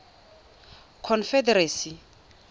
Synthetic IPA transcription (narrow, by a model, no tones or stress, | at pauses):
kʰɔnfɛdɛɾeːsi